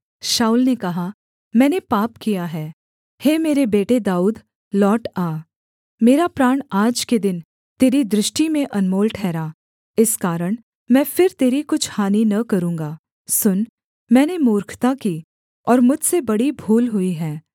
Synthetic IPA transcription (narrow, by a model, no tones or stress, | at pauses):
ʃaːulnekɐɦa | mɛ̃ːnepaːpkijaɦɛː | heːmeːɾebeːʈed̪aːuːd̪ | lɔːʈaː | meːɾapɾaːɽ̃aːd͡ʒked̪ɪn | t̪eːɾid̪ɾɪʃʈimẽʔɐnmoːlʈʰɛːɾaː | ɪskaːɾəɽ̃ | mɛ̃ːfɪɾt̪eːɾikʊt͡ʃʰhaːninɐkɐɾũːŋɡaː | sʊn | mɛ̃ːnemoːɾkʰt̪akiː | ɔːɾmʊd͡ʒʱsebɐɽibʱuːlɦʊiɦɛː